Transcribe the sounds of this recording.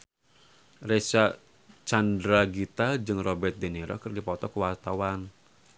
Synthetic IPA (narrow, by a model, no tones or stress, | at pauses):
resa | t͡ʃandɾaɡit̪ad͡ʒɨŋrɔbɛrt̪̚deneɾɔ̰kərdipɔt̪ɔkəwart̪awan